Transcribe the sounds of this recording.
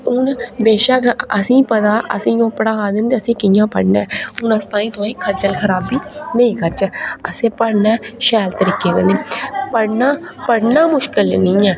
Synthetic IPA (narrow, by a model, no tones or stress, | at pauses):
ʊnbeːʃakɐsĩpɐd̪aːʔɐ̰sĩjõːpɽaaːd̪ənd̪ɐsĩkijãpɐ̰ɽnaʊnɐst̪aːĩt̪oːẽkʰɐɾt͡ʃəlkʰɐɾaːbːinɐ̃ĩkʰɐɾt͡ʃɛɐsẽpɐɽnaʃɛːlt̪əɾiːkekɐnẽpɐɽna | pɐɽnamʊʃkɪlnĩɛː